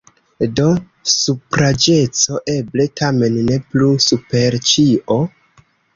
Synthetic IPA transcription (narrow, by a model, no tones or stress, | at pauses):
do̞ | supɾad͡ʒe̞t͡soʔe̞ble̞tʰame̞nːe̞plusupe̞ɾt͡ʃiʔo